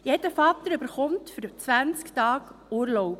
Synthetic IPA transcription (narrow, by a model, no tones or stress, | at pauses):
jɛdəfɑt̪əɾʏbəɾχɔmtfʏɾt͡sʋænt͡sktɑːɡuːɾlɔʊp